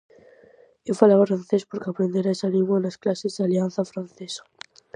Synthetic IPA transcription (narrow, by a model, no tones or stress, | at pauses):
ewfalaβafɾan̟θespoɾkeapɾend̪eɾaesalĩŋɡwanasklasezðalianθafɾanθesḁ